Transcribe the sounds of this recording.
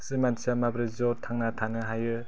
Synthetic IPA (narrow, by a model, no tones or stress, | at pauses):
sɯmansiamabɾɯzɔt̪ʰaŋnat̪ʰanɯɦajɯ